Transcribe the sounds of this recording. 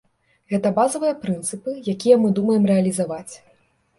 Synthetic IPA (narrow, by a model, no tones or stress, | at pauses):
ɣɛt̪ɐbazɐvɨjɐpɾɨnt̪sɨpɨjakʲijɐmɨd̪umɐjɛmrɛɐlʲizavat͡sʲ